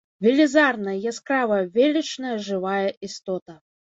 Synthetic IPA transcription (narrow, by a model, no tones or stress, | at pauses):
vʲɪlʲizarnɐjjaskɾavɐvʲelʲɛt͡ʂnɐjɐʐɨvajɐʔist̪ɔt̪ɐ